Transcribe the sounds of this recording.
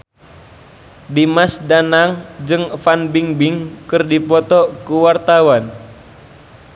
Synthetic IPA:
dimasdanaŋd͡ʒɨŋfanbiŋbiŋkɨrdipɔt̪ɔkuwart̪awan

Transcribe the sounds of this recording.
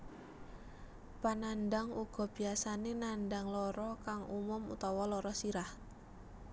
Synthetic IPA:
pananɖaŋuɡ̥ɔ̤b̥i̤asanenanɖaŋlɔɾɔkaŋʔumʊmṵt̪ɔwɔlɔɾɔsiɾah

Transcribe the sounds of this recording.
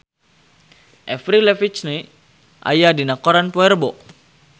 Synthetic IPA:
ʔɛfɾilɛfit͡ʃne | ʔa̰jadinakɔɾanpoɛrbɔʔ

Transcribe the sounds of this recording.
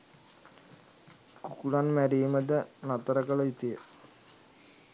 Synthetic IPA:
kukulanmæɾiːməd̪ənat̪əɾəkələit̪ijə

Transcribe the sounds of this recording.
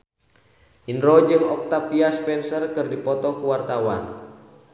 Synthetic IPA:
ʔinrɔd͡ʒɨŋɔk̚t̪apiaspɛnsərkɨrdipɔt̪ɔkuwart̪awan

